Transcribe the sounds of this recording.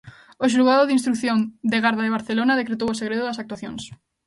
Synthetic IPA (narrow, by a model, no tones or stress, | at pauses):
oʃ̬uɣaðoðinst̪ɾukθjond̪eɣaɾðaðeβ̞aɾθelonaðekɾet̪owoseɣɾeðoðasak̚t̪waθjoŋs